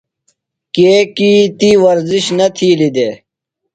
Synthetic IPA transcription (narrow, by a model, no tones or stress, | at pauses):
keːkiːt̪iwɐɾziɕnɐt̪ʰiːlid̪eː